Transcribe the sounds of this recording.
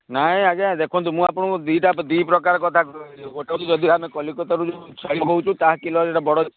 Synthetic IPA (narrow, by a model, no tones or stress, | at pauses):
naɦĩaɡead̪ekʰwɔnt̪umũapɔɽ̃ɔ̃d̪iʈapd̪ipɾɔkaɾɔkɔt̪ʰakɔoʈat̪ud͡ʒɔd̪ʱiamekɔlikɔt̪aɾud͡ʒet͡ʃʰaɽimɦɔwt͡ʃʰũt̪aɦkilɔd͡ʒeʈabɔɽɔ